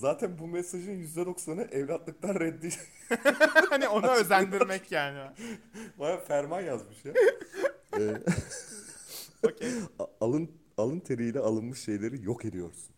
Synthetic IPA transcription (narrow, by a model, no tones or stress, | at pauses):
zaːt̪ʰænbumɛsaʒɯnjyzd̪ɛd̪o̞ksanɯʔɛvlʲat̪lˠɯk̚t̪ʰanɾɛd̪ːi | hhanio̞naøzænd̪iɾmɛcjaːni | bajafæɾmanjazmɯʃja | ɛ | oealˠɯn | alˠɯnt̪ʰe̞ɾijlʲɛalˠɯnmɯʃʃe̞jlʲe̞ɾijo̞ke̞d̪ijo̞̰ɾsun